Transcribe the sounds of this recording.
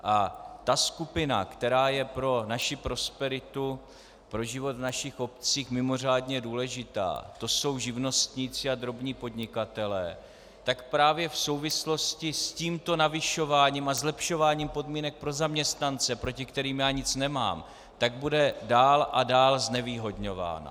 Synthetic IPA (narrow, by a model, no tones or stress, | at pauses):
ʔat̪askupɪna̰kt̪ɛɾaːjɛpɾo̞naʃɪpɾo̞spɛɾɪt̪u | pɾo̞ʒɪvo̞t̪vnaʃɪxo̞pt͡siːxmɪmo̞r̝aːdɲɛduːlɛʒɪt̪a̰ːt̪o̞so̞wʒɪvno̞st̪ɲit͡sɪad̪ɾo̞bɲiːpo̞dɲɪkat̪ɛlɛ̰ː | t̪akpɾaːvjɛfso̞wvɪslo̞scɪsciːmt̪o̞navɪʃo̞vaːɲiːmazlɛpʃo̞vaːɲiːmpo̞dmiːnɛk̚pɾo̞zamɲɛst̪nant͡sɛpɾo̞cɪkt̪ɛɾiːmjaːɲɪt͡snɛma̰ːm | t̪aɡ̚budɛdaːlʔadaːlznɛviːɦo̞dɲo̞va̰ːna̰